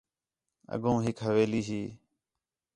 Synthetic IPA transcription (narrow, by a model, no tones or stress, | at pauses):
ə̰ɠõːɦɪkɦəʋeːliːɦiː